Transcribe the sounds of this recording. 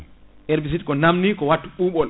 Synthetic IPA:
ʔɛɾbis̬itkɔnamnikɔwatːuɓuːɓɔl

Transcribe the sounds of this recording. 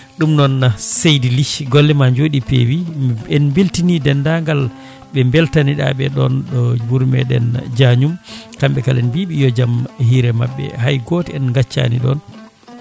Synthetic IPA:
ɗumnɔnːasejdiliʃɡɔlːɛmaɲd͡ʒoɗipḛwiɛnmbeltinidɛndaŋɡal | ɓɛmbɛltaniɗa̰ɓɛɗɔnɗɔbuɾmɛ̰ɗɛ̰nd͡ʒaɲumkamɓɛkalɛnbiɓijɔd͡ʒamhiɾɛmaɓːɛ̰hajɡɔtɛɛnŋɡat͡ʃːa̰nḭɗɔ̰n

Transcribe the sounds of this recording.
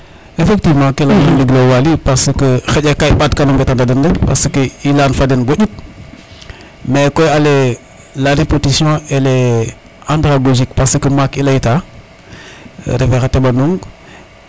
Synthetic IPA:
efektivmãkelanuŋliɡlowalipasəkəxəɟekajɓadkanomɡetandadəndəpasəkəilanfadenɡoɟit̚ | mekojale | laɾepotisiõele | ãndɾaɡoʒikpasəkəmakilaita | ɾevexatebanuŋ

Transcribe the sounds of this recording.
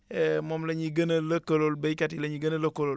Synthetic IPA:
emomleɲiɡɐnɐlɐkololbejkatileɲiɡɐnɐlɐkolol

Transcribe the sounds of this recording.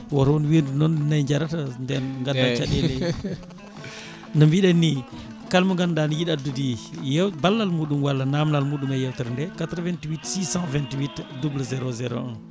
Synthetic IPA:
woɾwunwiɾdunɔnnajd͡ʒaɾatandɛnɡandat͡ʃaɗele | nambiɗanːi | kalmuŋɡandanijiɗadudijɛwbalːalmuɗumwalːanamnalmuɗumajɛwtəɾndɛkatɾvɛ̃ntwitsisãvɛntiwitdublazɛɾozɛɾõ̰

